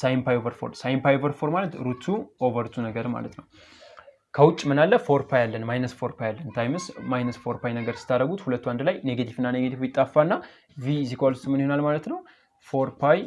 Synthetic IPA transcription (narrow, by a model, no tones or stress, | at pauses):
sajmpʰajovəɾfo̰ɾsajmpajovəɾfoɾmalət̪ɾut̪ʰːuʔo̞vəɾt̪ʰunəɡəɾɨma̰lət̪nəw | kʰəwʊt͡ʃʼːmɨnalːəfo̞ɾpʰajalːənmajnəsfo̞ɾpʰajalːənt̪ʰajmɨsmajnəsfo̞ɾpajnəɡəɾsɨ̥t̪ʰːaɾəɡut̪hulət̪ːuand̪lajne̞ɡet̪ʰivɨnːaneɡet̪ʰifjit̪ʼːafːanːa | vizikʰalst̪mɨnihonalmalət̪nəw | foɾpʰaj